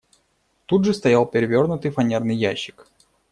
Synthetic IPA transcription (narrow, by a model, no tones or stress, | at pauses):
t̪udʐɨst̪ɐjalˠpʲɪɾʲɪvʲo̞rnʊt̪ɨjfɐnʲe̞rnɨjjæɕːɪ̥k